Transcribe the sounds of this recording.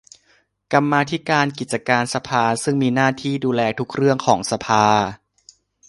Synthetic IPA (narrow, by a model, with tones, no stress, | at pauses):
ka˧mːaː˧t̪ʰi˦˥kaː˧nki˨˩t̪̚t͡ɕa˧kaː˧nsa˧pʰaː˧sɯ˥˩ŋmiː˧naː˥˩t̪ʰiː˥˩duː˧lɛː˧t̪ʰu˦˥k̚ɾɯ˥˩əŋkʰɔː˩˦ŋsa˧pʰaː˧